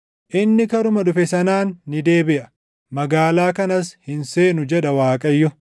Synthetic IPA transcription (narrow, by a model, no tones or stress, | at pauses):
ʔɪnːɪkɐɾʊmɐɗʊfɛsɐnaːnːɪd̪e̞ːbɪʔɐ | mɐɡaːlaːkɐnɐshɪnse̞ːnʊd͡ʒɛᶑɐwaːkʼɐjːɔ